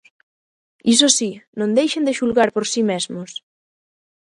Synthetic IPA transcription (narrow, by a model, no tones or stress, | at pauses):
is̬osinõnd̪ejʃend̪eʃulɣaɾpoɾsimɛzmos